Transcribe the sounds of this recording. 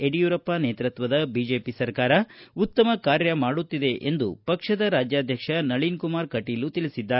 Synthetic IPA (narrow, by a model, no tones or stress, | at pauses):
eɽijuːɾɐpːaneːt̪ɾɐt̪ʋɐd̪ɐbid͡ʒe̞ːpisɐɾkaːɾɐut̪ːɐmɐkaːɾjɐmaːɽut̪ːid̪e̞ʔend̪ṵpɐkʂɐd̪ɐɾaːd͡ʒjaːd̪ʱjɐkʂɐnɐɭinkumaːɾkɐʈiːlut̪ilisid̪ːaː